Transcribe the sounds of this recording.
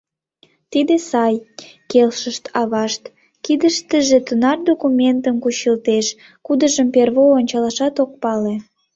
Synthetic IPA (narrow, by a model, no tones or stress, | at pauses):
t̪id̪esɑjkelʃəʃt̪ɑβɑʃt̪ | kid̪əʃt̪əʒet̪ənɑrd̪okumʲent̪əmkuɕilt̪eʃ | kud̪əʒəmperβoːnʲt͡ɕɑlɑʃɑt̪ok̚pɑle